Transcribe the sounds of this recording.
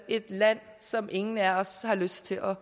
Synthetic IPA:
e̝d̥læn̰ | sɒ̽mʔe̝ŋn̩æɒshɑ̈løsd̥t͡sʰe̝lʔɒ̽

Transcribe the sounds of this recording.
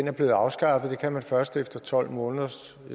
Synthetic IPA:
enæɐb̥le̝ːɑ̈ʊsɡ̥ɑ̈fð̩ˠd̥e̝kʰæmænfɶɐsd̥efd̥ɐt͡sʰɒ̽l̰mɔ̽ːnəðˠɐs

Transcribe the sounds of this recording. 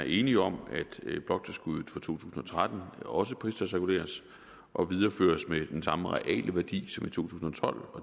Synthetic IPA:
æɐe̝ːniɒ̽mæd̥b̥lɒ̽ɡ̥̚t͡sʰe̝lsɡ̥uðˠð̩ˠfɑ̈t͡sʰo̝̰ːt͡sʰṵːsn̩ɒ̽t͡sʰʁad̥n̩ɒ̽s̬əpʰʁisd̥ɐsɛkʰule̝̰ːɐs | ʔɒ̽ʋiðˠɐfø̰ːɐsmed̥ensɑ̈məʁɛ̰ʔɛ̰ːlʔəʋæɐd̥ḭːsɒ̽mit͡sʰo̝̰ːt͡sʰuːsn̩ɒ̽t͡sʰɒ̽l̰ɒ̽

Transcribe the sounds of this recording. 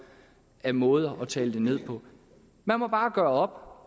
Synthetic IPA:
æmɔ̽ːð̞̩ˠɐʔɒ̽t͡sʰɛ̰ːləd̥e̝ne̝ð̞̰ˠpʰɒ̽ | mænmɒ̽b̥ɑ̈ːɡ̥ɶːɐɒ̽b̥

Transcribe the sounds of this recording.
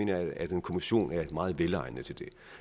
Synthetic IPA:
e̝ːnɐææd̥enkʰo̝miɕo̝̰ːnæɐmɑ̈ːð̞̩ˠʋelɑ̈ɪ̰nət͡sʰe̝ld̥e̝

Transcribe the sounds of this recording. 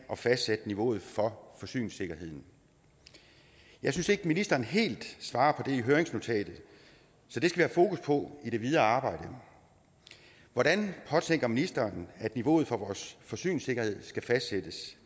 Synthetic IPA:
ʔɒ̽fæsd̥sed̥əniʋo̝̰ːð̞̩ˠfɒ̽fɒ̽sy̰ːnse̝ɡ̥ɐhe̝ð̞̰ˠn̩ | jɑ̈ɪsynse̝ɡ̥əminisd̥ɐːnɦe̝̰ːld̥sʋɑ̈ːpʰɒ̽d̥e̝iɦøɐeŋsno̝t͡sʰɛ̰ːd̥ð̩ˠ | sɒ̽d̥e̝sɡ̥æʋiæhæfo̝ːkʰuspʰɒ̽iɾ̥e̝ʋiðˠɐɑ̈ːb̥ɑ̈ɪ̰d̥ə | ʋɒɾænpʰɒ̽t͡sʰeŋ̰ɡ̥ɐminisd̥ɐːnæd̥niʋo̝ːð̩ˠfɒ̽ʋɒːsfɒ̽sy̰ːnse̝ɡ̥ɐhe̝ð̞̰ˠsɡ̥æfæsd̥sed̥əs

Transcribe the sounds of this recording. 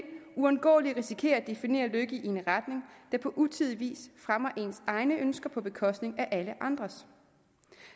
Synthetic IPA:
uænɡ̥ɔ̰ːliʁisikʰe̝̰ːɐd̥e̝fine̝̰ːɐløɡ̥iʔieenʁad̥ne̝ŋd̥ɑ̈pʰɒ̽ʔut͡sʰið̞ˠiʋḭːsfʁamɐʔe̝nsɑ̈ɪnəʔønsɡ̥ɐpʰɒ̽b̥e̝kʰɒ̽sd̥ne̝ŋæʔæləʔɑ̈nd̥ʁɐs

